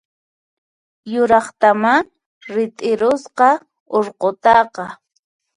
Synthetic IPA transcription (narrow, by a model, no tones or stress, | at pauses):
jʊɾɑχt̪amaŋ | ɾɪt̪ʼɪɾʊsqɑ | oɾqot̪ɑqɑ